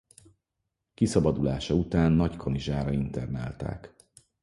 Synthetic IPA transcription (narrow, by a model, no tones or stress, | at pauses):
kisɒbɒd̪ulaːʃɒut̪aːnːɒckʰo̞niʒaːɾɒint̪ɛrna̰ːlt̪a̰ːk